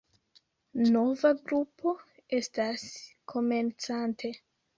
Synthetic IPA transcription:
no̞vaɡɾupo̞ | e̞staskʰo̞me̞nt͡santʰe̞

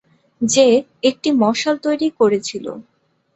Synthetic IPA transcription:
d͡ʑe | ek̚ʈimɔʃolt̪ojɾikoɾet͡ɕʰilo̰

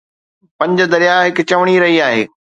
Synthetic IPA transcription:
pɐ̃ɲd͡ʑ̆d̪ɐɾijaːɦɪkʊt͡ɕɐʋɽ̃iɾɐɦiaːɦḛː

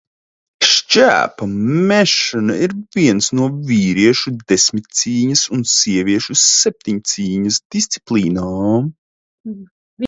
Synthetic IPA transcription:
ʃt͡ʃæ̰ːpɐmʲɛʃɔnaiɾviɛnsnuɔvʲiːɾiɛʃud̪esmit̪̚t̪siːɲɐsunsiɛvʲiɛʃusɛp̚t̪ʲiɲt̪siːɲɐsd̪̥ist̪si̥plˠiːnaːm

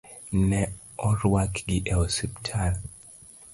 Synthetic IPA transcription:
nɛ | ɔɾwakɡiʔɛɔsiptʰal

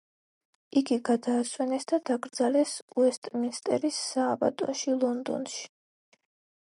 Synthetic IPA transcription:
iɡiɡad̪aːswɛnɛsd̪ad̪aɡɾd̪zalɛsuɛst̪ʼminst̪ʼɛ̰ɾisːaːba̰t̪ʼɔ̰ʃilˠɔnd̪ɔ̰nʃi̥

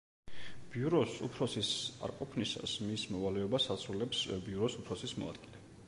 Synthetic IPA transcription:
b̥iuɾɔsṵpʰɾɔsisa̰ɾqʼɔpʰnisa̰smismɔvalɛɔbasat̪sʰɾulɛpsbiuɾɔsupʰɾɔsismɔ̰a̰d̪̥ɡilɛ

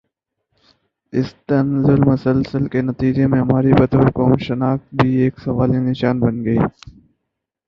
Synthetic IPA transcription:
ɪst̪ɐnzɪlmɐsəlsəlkenɐt̪iːd͡ʒemẽɦɐmaːɾibɐt̪ʋəɾkoːmʃɪnaːxt̪̚bʱieːksɐʋaːlenɪʃaːnbɐnɡɐiː

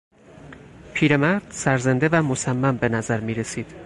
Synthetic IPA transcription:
pʰiːɾe̞mæɾd̪̥sæɾzend̪evæmosæmːæmbe̞næzæɾmiːɾe̞siːd̪̥

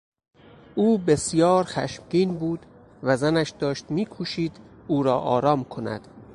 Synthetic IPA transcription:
ʔuːbesjɒːɾxæ̰ʃmɟiːnbuːd̪ | væzænæʃd̪ɒːʃt̪miːkʰuʃiːd̪̥uːɾɒːʔɒ̰ːɾɒːmkʰo̞næ̰d̪̥

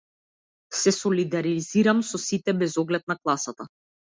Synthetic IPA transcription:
sɛsɔlid̪aɾiziɾamsɔsit̪ɛbɛzɔɡlɛt̪̚naklˠasat̪a

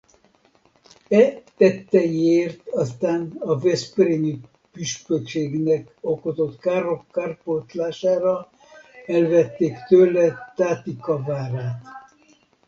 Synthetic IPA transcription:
ɛt̪ɛt̪ːɛjeːrt̪ɒst̪aːnɒvɛspreni | pyʃpøkʃeːɡnɛk | okot̪o̞t̪kaːɾokːaːrpot̪laːʃaːɾɒ | ɛlvɛt̪ːeːkt̪øːlɛt̪aːt̪ikɒvaːɾaːt̪

